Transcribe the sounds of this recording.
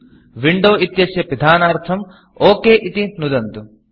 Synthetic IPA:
ʋiɳɖoːʔit̪jɐsjɐpid̪ʱaːnaːɾt̪ʰɐm | oːkeːʔit̪inud̪ɐnt̪u

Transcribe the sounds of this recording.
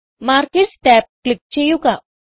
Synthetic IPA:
maːɾkeʈsʈɛːp̚klɪk̚t͡ʃejuka

